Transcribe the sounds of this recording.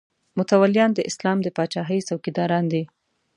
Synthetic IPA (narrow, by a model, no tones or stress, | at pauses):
mʊt̪awalijɑnd̪əʔɪslɑmd̪əpɑt͡ʃɑɦəjsawkid̪ɑɾɑnd̪i